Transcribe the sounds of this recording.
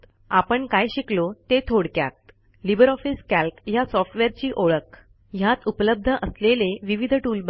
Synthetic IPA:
apəɳkajɕiklot̪et̪ʰoɽkja̰t̪ | libəɾɔfiskælkjasɔfʈʋeɾt͡ɕiːʔoɭək | jat̪upləb̚d̪ʱəʔəsleleʋiʋid̪ʱʈuːlb

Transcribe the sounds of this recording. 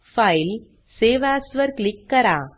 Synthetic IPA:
fɐɪl | seːʋaːsʋɐɾklɪkːɐɾaː

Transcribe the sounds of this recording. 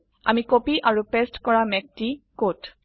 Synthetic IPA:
a̰mikopiʔaɹupestkɔɹamɛk̚tikot

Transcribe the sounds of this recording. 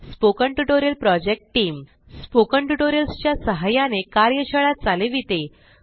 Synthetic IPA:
spokəɳʈuʈoɾjəlpɾɔd͡ʑek̚ʈʈiːm | spokəɳʈuʈoɾijəlst͡ɕjasəɦajanekaɾjəɕəɭat̪̚t͡saleʋit̪e

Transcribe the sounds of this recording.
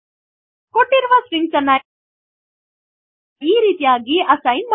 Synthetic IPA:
koʈːiɾʋasɾiŋɡsɐna | iːɾiːt̪iaːɡiʔɐsainmɐ

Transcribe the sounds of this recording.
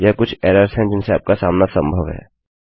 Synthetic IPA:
jɛkʊt͡ʃʰɛːɾəɾsɦɛ̃d͡ʒɪnseaːp̚kasaːmnasə̃mbʱəʋɦɛ̰ː

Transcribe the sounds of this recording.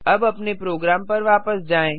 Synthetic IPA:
ɐbɐpnepɾoːɡɾaːmpɐɾʋaːpəsd͡ʒaːẽː

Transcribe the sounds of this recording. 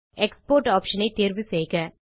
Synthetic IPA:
ekspoːɾʈaːpʃɐnɐɪt̪eːɾʋiseːkɐ

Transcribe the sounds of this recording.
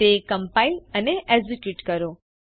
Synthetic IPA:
ekəmpailəneʔɛzikjuʈkəɾo

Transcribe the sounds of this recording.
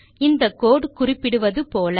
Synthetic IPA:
ɪnd̪ɐkːoːɽkʊrɪpːɪɽɯʋɐðɯpoːlɐ

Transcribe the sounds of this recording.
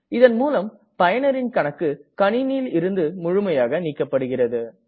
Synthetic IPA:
ɪðɐnmuːlɐm | pɐjɐnɐɾɪnkɐɳɐkːɯkɐɳɪnilɪɾɯnd̪ɯmʊɻʊmɐjaːɣɐniːkːɐpːɐɽɯɣɪrɐðɯ

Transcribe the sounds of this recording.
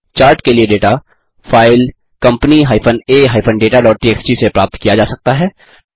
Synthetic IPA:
t͡ʃaːɾʈkelieɖeːʈa | fʰaːɪl | kɐ̃mpəniɦaːɪfʰəneːɦaːɪpʰənɖeːʈaɖɔːʈ̚ʈieːksʈisepɾaːp̚t̪kijad͡ʒaːsɐk̚t̪aɦɛː

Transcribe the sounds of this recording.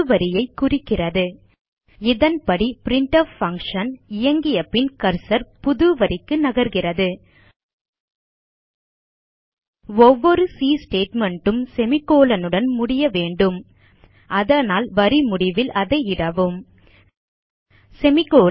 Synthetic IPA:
ʋɐɾɪjɐɪkʊrɪkːɪrɐðɯ | ɪðɐnpɐɽipɪɾɪɳʈɐʋfɐŋkʂɐnɪjɐŋɡɪjɐpːɪnkɐɾsɐɾpʊðɯʋɐɾɪkːɯnɐɣɐɾɣɪrɐðɯ | ɔʋːɔɾɯsiːsʈeːʈmɐɳʈɯmsɛmɪkːoːlɐnɯɽɐnmʊɽɪjɐʋeːɳɖɯm | ʔɐðɐnaːlʋɐɾimʊɽɪʋɪlʔɐðɐɪɪɽɐʋɯm | sɛmɪkːoː

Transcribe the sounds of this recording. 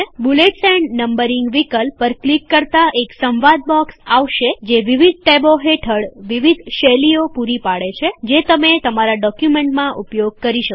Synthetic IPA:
buleʈsɛɳɖnəmbəɾiŋɡʋikəlpəɾklikːəɾt̪aʔeksə̃mʋad̪̚bɔksaʋʃed͡ʒeʋiʋid̪̚ʈeboɦeʈʰəɽʋiʋid̪ʱʃeliopuɾipaɽet͡ʃʰed͡ʒet̪əmet̪əmaɾaɖɔkjumeɳʈmãʔupjoɡ̚kəɾiʃək

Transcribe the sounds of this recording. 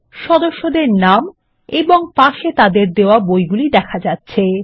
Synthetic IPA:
ʃɔd̪oʃːod̪eɾnam | eboŋpaʃet̪ad̪eɾd̪eoabojɡulid̪ɛkʰad͡ʑatːɕʰe

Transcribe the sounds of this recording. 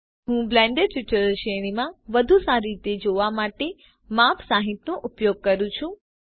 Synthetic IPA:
ɦũblɛ̃ɳɖeɖʈɪʈəɾəʃeɽ̃imãʋəd̪ʱusaɾiit̪ed͡ʒoʋamaʈe | mapsaɦit̪nõʔʊpjoɡ̚kəɾũt͡ʃʰũ

